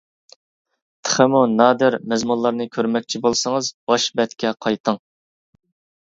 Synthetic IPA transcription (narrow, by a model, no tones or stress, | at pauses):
t̪ʰə̥χəmunɑːd̪ɪɾmɛzmunlˠɑɾnɨkʲʰøɾmɛk̚ʲt͡ʃʰibolˠsəŋəzb̥ɑʃbɛt̪kʲʰɛqʰɑjt̪ʰəŋ